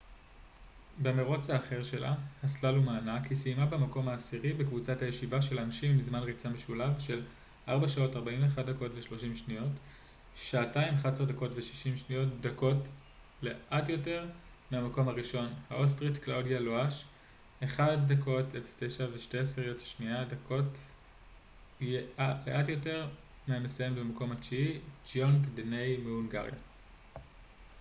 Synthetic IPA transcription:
bemeʁo̞t͡shaːχeʁʃe̞lʔa̰haslalumaːnakʰisimabemako̞mhaːsiʁibekvut͡sathajeʃivaʃe̞lanʃimːizmanʁit͡sameʃulavʃe̞l | ʔaʁbaʃao̞taʁbaimeχadako̞tveʃlo̞ʃimʃnijo̞t | ʃaːtaimχaseʁdako̞tveʃi̥ʃimʃnio̞tdako̞t | le̞ʔatjo̞te̞ʁ | meamako̞mhaʁiʃo̞nhaʔostʁitklawdjaloaʃ | eχad̚ːako̞tefstejʃaveʃte̞eseʁjotʃniadako̞t | ealeʔatjo̞te̞ʁ | meame̞sajemetbemako̞mhat͡ʃiid͡ʒoŋkdenejmeuŋɡa̰ʁja̰

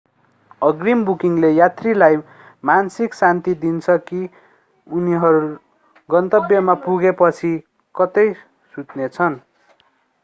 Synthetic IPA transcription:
ʌɡrimbukiŋlejat̪rilaj | mansiksant̪id̪int͡sʰʌki | uniɦʌɾu | ɡʌnt̪ʌbjʌmapuɡepʌt͡sʰi | kʌt̪ʌj | sut̪net͡sʰʌn

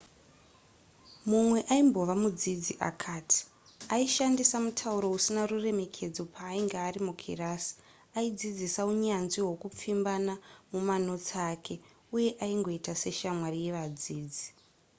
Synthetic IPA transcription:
mumwe̞ʔaimbo̞ʋamud͡zid͡ziʔa̰kʰaːtʰi̥ | aiʃandisamutʰauɾo̞usinarure̞me̞kʰe̞d͡zo̞pʰaːiŋɡaːɾimukʰḭraːsi̥ | aid͡zid͡zisauɲanʐiɦo̞kup͡fimbanamumano̞t͡sakʰe̞ | uje̞ʔaiŋɡo̞itase̞ʃamwarije̞ʋad͡ziːd͡zi

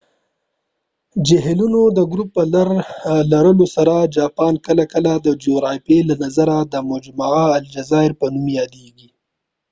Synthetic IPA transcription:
d͡ʒɪɦlunod̪əɡɾupːəlaɾlaɾəlosaɾad͡ʒɑpɑnkəlakəlad̪əd͡ʒoɾɑfelanazaɾad̪əmod͡ʒmaaald͡ʒazɑɪɾpənumjɑd̪eɡi

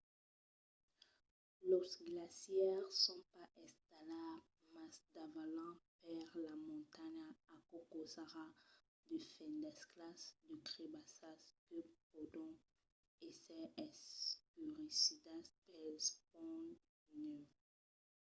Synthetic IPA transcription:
lɔsɡlasjɛʁsɔ̃paʔɛ̃st̪ala | masd̪avalɑ̃paʁlamɔ̃t̪aɲaakokosaʁa | d̪əfɛ̃nd̪ɛsklasd̪ykʁebasaskəpod̪ɔ̃ | ɛsɛɛspyʁisid̪aspɛpɔ̃ | nø

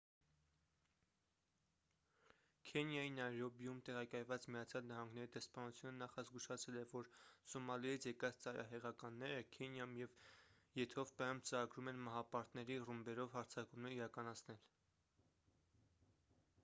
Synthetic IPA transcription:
kʰɛnjɑjinɑjɾɔbijumt̪ɛʁɑkɑjvɑt͡smijɑt͡sʰjɑlnɑɦɑŋɡnɛɾid̪ɛspɑnut͡sʰjunənɑχɑzɡuʃɑt͡sʰɛlɛvɔɾsɔmɑlijit͡sʰjɛkɑt͡st͡sɑɾɑ̰ɦɛʁɑkɑnːɛɾəkʰɛnjɑumjɛv | jɛt̪ʰɔvpɑjumt͡səɾɑɡɾumɛnmɑɦɑpɑɾt̪nɛɾirumbɛɾɔvhɑɾt͡sʰɑkumnəiɾɑkɑnɑt͡sʰnɛl

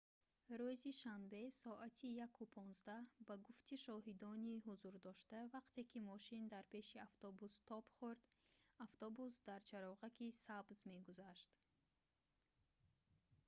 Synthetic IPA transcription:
ɾuziʃanbe̞sɔʔat̪ʰijakʰupʰɔnzd̪ahbaɡuft̪ʰiʃɔɦid̪ɔniɦuzuɾd̪ɔʃt̪avaqt̪ʰe̞kʰimɔʃind̪aɾpe̞ʃiaft̪ɔbust̪ʰɔpχuɾd̪aft̪ʰɔbusd̪aɾt͡ʃʰaɾɔʁakisabzme̞ɡuzaʃt̪

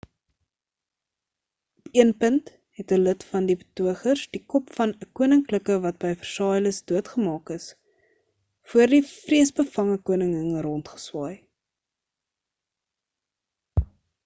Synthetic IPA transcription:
ɔpiənpənt | ɦɛtələtfɐndibə̥tuəχərsdikɔpfɐnəkuənəŋkləkəvɐt̚bəjfərsɑːjləsduətχəmɑːkəs | fuərdifriəsbəfɐŋəkuənəŋəŋrɔntχə̥swɑːj

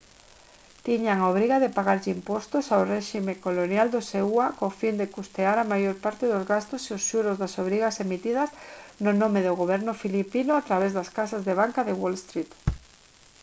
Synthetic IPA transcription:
t̪iɲaŋaoβɾiɣaðɪpaɣaɾʎɪimpɔst̪osawrɛʃimekolonjald̪ʊseuakofind̪ekust̪eaɾamajoɾpaɾt̪ɪðʊzɣast̪ʊseʊsʃuɾozðasoβ̞ɾiɣasemit̪iðɐsnʊnõmɪðʊɣoβ̞ɛɾnʊfilipinʊat̪ɾaβ̞ezðaskasazðeβaŋkaðewolst̪ɾit̪

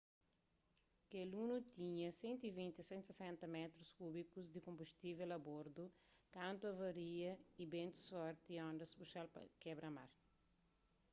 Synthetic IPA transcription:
kelunut̪ĩɲɐsẽnt̪ivĩnt̪isẽnt̪sesɛ̃nt̪ɐmɛt̪ɾuskubikuzd̪ikõmbust̪ivelɐboɾd̪u | kãnt̪uɐvɐɾiɐibẽnt̪u̥sɔɾt̪iɔ̃nd̪ɐsbuʃalpɐ̰kɛbɾɐma̰ɾ

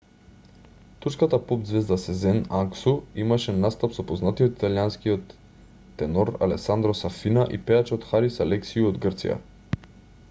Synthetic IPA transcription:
t̪uɾskat̪apɔp̚d̪zvɛzd̪asɛzɛnaŋksuimaʃɛnast̪apsɔpoznat̪iot̪i̥t̪alianskijot̪ː | ɛnɔɾa̰lɛksand̪ɾosafinaʔḭpɛat͡ʃot̪xaɾisalɛksiuod̪ɡrt̪sḭja̰

